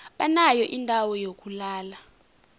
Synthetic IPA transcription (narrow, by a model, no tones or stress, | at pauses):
ɓanajɔʔindʱawɔjok̬ʼulaːla